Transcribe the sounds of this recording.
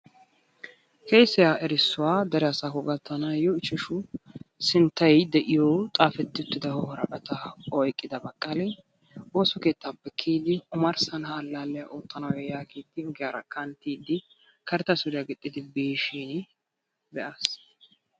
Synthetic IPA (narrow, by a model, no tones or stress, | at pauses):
kejsːɛjaʔɛɾɪsːʊwaːd̪ɐɾɛɐsaːkɔɡɐt̪ːɐnajɔɪt͡ʃːɛʃʊsɪnt̪ːɐjd̪ɛʔɪjoːt̪ʼaːfɛt̪ːɪʊt̪ːɪd̪ɐhɔhɔɾɐkʼɐt̪ɐɔjkʼːɪd̪ɐbɐkʼːɐlɛ | oːsɔke̞ːt̪ːapːɛkʰːiːd̪ɪʊmɐɾsɐnhaːlːaːlːɛjaʔoːt̪ʼːɐnɐwɛjaːkiːt̪ːɪʊɡɪjaːɾɐkʰɐnt̪ːiːd̪ɪ | kɐɾt̪ːɐsʊɾɪjaɡɪt̪ʼːɪd̪ɪbeːʃiːn | bɛʔas